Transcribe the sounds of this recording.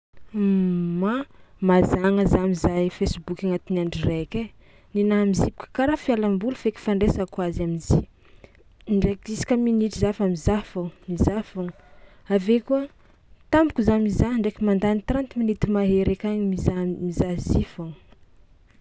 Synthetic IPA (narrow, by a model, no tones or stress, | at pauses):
mamazaŋəzamizajfesbukʲaŋat̪inaɳɖ͡ʐireke | ninamizipi̥kʲḁkaɾafialambulufeki̥faɳɖ͡ʐesakwazaminzi | ɳɖ͡ʐekisi̥kʲaminiʈ͡ʂizafamizafamizafaŋ | avekuə | t̪ambukuzamizaɳɖ͡ʐekimand̪anit̪ɾant̪iminit̪imaɦeɾekaɲimizamizazifaŋ